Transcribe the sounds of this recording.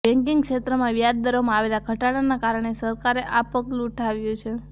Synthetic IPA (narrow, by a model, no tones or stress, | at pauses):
bɛ̃ŋkiŋɡkʃet̪ɾəmãʋjad̪̚d̪aɾomãaʋelaɡʱəʈaɽanakaɾəɳ̃esəɾkaɾeʔapəklũːʈʰaʋjũt͡ʃʰe